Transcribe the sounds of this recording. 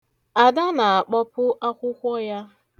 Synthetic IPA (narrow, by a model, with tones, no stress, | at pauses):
a˨da˦na˨a˨k͡pɔ˦pʊ˦ʔa˦kʷʊ˦kʷɔ˦ja˦